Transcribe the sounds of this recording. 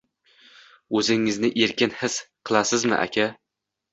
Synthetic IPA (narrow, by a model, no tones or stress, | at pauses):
ɵzɪŋɪznɪʔe̞ɾkʲɪnhɪsqʰɨlˠasɪzmɪ̰ʔa̰kʲʰa